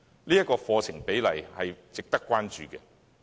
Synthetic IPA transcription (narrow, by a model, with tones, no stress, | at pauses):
liː˥jɐ˥kɔː˧fɔː˧t͡sʰɪ˨˩ŋpe˨˥jlɐ̰˨˩jhɐ˨jt͡sɪ˨k̚t̪ɐ˥kːʷwaː˥nt͡ʃyː˨kɛ˧